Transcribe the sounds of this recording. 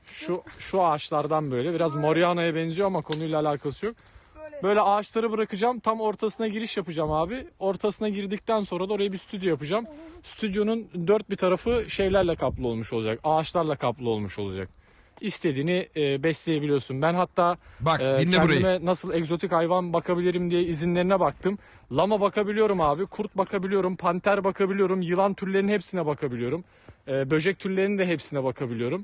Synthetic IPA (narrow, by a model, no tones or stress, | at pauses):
ʃuʃuaːt͡ʃlˠaɾd̪anbø̞jlʲɛbiɾazmoɾjanajabɛnzijoamakʰo̞nujlˠaːlʲaːkʰasɯjo̞k̚bø̞jlʲɛaːt͡ʃlˠaɾɯbɯɾakɯd͡ʒamt̪ʰamo̞ɾt̪ʰasɯnaɟiɾiʃjapɯd͡ʒamhaːbɪo̞ɾt̪ʰasɯnaɟiɾd̪ic̚t̪ænso̞nɾad̪ao̞ɾajabisyt̪ʰyd̪jo̞japɯd͡ʒamsy̥t̪ʰyd̪jo̞nund̪øɾt̪̚bit̪ʰaɾafɯʃe̞jlʲæɾlʲɛkʰaplˠɯo̞lˠmuʃo̞lˠud͡ʒakaːt͡ʃlˠaɾlˠakʰaplˠɯo̞lˠmuʃo̞lˠud͡ʒa̰k̚ | ist̪ʰe̞d̪iːniːbɛslʲeje̞bilʲijo̞ɾsunbænɦat̪ʰːaː | c̪ʰændimɛnasɯlˠɛkzo̞t̪ʰichajvanbakʰabilʲiɾimd̪ijɛizinlʲe̞ɾinɛbak̚t̪ʰɯm | lˠamabakʰabilʲijo̞ɾumaːbikʰuɾt̪̚bakʰabilʲijo̞ɾumpʰant̪ʰæɾbakʰabilʲijo̞ɾumjɯlˠant̪ʰyɾlʲe̞ɾinɦepsinɛbakʰabilʲijo̞ɾumː | bø̞ʒɛc̚t̪ʰyɾlʲe̞ɾinid̪ɛɦepsinɛbakʰabilʲijo̞ɾum